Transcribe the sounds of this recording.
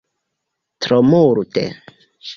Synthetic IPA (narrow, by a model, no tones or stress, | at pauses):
tɾomuɾutḛ